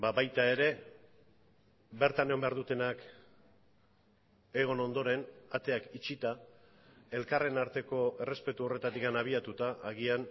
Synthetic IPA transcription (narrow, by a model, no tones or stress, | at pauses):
baβajt̪ae̞ɾe̞ | be̞ɾt̪ane̞o̞mbe̞aɾðut̪e̞nak | e̞ɣ̞o̞no̞nd̪o̞ɾe̞nat̪e̞akit͡ʃit̪a | e̞lkare̞naɾt̪e̞ko̞e̞re̞spe̞t̪uo̞re̞t̪at̪ikanaβ̞iat̪ut̪aːɣian